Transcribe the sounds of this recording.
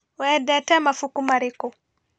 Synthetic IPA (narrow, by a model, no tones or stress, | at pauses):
wɛdɛtɛmafukumaɾikɔ